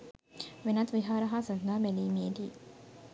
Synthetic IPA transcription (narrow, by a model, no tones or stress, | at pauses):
ʋenɐt̪ʋiɦaːɾɐɦaːsɐnd̪aːmeliːmiet̪iː